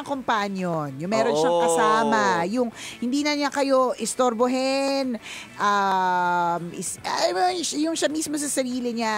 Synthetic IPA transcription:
ɐŋkompanjonjʊŋmɛːɾonʃaŋkɐsaːmɐjʊŋhɪnd̪iːnɐɲakɐjo̞ʔɪst̪oɾboɦɛn | ʔa | mʔɪsamjʊŋʃamismos̬ɐsɐɾiːlɪɲa

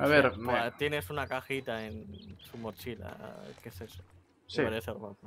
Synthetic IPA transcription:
aβeɾat̪je̞ne̞sunakaxit̪ae̞nsumo̞t͡ʃila̰keseso̥ | sieɾeθeomapa

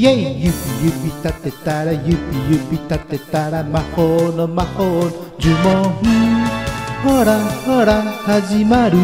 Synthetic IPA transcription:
jeijɨpijɨpit̪at̪et̪aɾajɨpijɨpit̪at̪et̪aɾamãkonomãkond͡ʒumɔ̃ɦũ | hoɾahoɾahazimãɾu

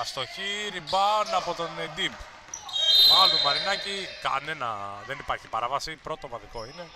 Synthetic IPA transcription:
st̪o̞çiɾibɐnɐpo̞t̪o̞ned̪ib | ɐluvɐɾinɐcikɐ̰ne̞nɐðe̞nipɐɾçipɐɾɐvɐsipɾo̞t̪o̞vɐðiko̞ine̞

